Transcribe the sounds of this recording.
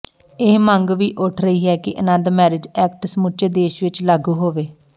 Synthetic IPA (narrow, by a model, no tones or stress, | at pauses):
ɪɦməŋɡʋiːʔʊʈʰɾəiːɦɛːkɪʔənənd̪mɛːɾɪd͡ʒɛːkʈsəmʊt͡ʃeːd̪eːʃʋɪt͡ʃlaːɡuːɦoːʋeː